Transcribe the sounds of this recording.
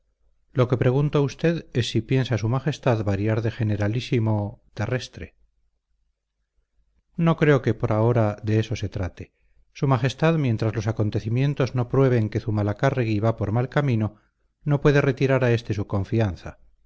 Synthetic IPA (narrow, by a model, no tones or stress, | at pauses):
lo̞ke̞pɾe̞ɣ̞unt̪oust̪e̞ðe̞sːipje̞nsasumaxe̞st̪aðβaɾjaɾðe̞xe̞ne̞ɾalisimo̞t̪e̞re̞st̪ɾe̞̰ | no̞kɾe̞o̞ke̞po̞ɾao̞ɾaðe̞eso̞se̞t̪ɾat̪e̞ | sumaχe̞st̪aðmje̞nt̪ɾazlo̞sako̞nt̪e̞θimjẽ̞nt̪o̞zno̞pɾwe̞β̞e̞ŋke̞sumalakareɣiβapo̞ɾmalkamĩno̞ | no̞pwe̞ðe̞re̞t̪iɾaɾae̞st̪e̞suko̞ɱfianθa̰